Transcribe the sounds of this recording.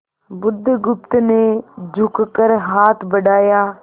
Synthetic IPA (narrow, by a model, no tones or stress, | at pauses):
bʊd̪ʱːɡʊp̚t̪neːd͡ʒʱʊkkəɾɦaːt̪ʰbəɖaːjaː